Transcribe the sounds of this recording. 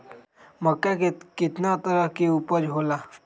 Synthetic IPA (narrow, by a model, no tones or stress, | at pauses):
məkːakekit̪nat̪əɾəkiupəɾɦola